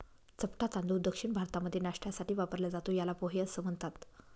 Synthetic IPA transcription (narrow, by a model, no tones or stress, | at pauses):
t͡səpʈat̪and̪ud̪əkʂiɳbʱaɾt̪aməd̪ʱːjenaʂʈjasaʈiːʋapəɾljad͡zat̪ojalapoɦeəsəm̤əɳt̪at̪